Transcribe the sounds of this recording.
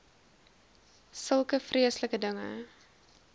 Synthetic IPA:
səlˠkəfrʔiəsləkədəŋə̰

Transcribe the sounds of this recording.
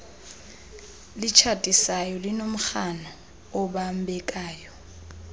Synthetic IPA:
lɪt͡ʃʰatʼisajɔlɪnom̩k͡xanɔ | ʊbam̩bɛkʼaːjɔ

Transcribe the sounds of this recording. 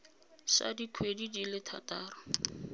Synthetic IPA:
sa̰dikʰwedidilɪtʰa̰taːrɔ

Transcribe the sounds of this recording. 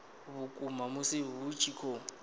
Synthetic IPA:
βʊkʼumamʊsɪβut͡ʃʰʼikʰɔ

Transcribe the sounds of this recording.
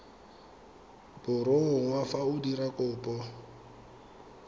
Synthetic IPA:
b̥ʊɾoʊŋ̩wafaʊdiɾakʼʊːpʼɔ

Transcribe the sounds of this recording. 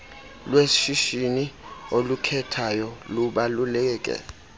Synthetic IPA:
lwesʃiʃiniolukʰɛtʰajɔluɓalulɛːk̬ʼɛ̰

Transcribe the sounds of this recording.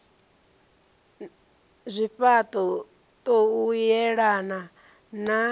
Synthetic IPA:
zʷiɸat̪ʼɔ | t̪ʼɔujɛɺana | na

